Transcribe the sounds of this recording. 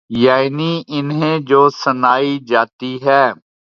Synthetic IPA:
jaːniːʔɪnɦẽd͡ʒoːsənaːid͡ʒaːt̪iɦɛː

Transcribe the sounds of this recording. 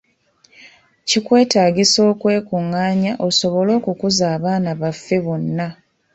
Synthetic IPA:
cikwe̞ːtaːɡiso̞ːkwe̞ːkuŋːaːɲaʔo̞so̞βo̞lo̞ːkukuzaːβaːnaβafːe̞βonːa

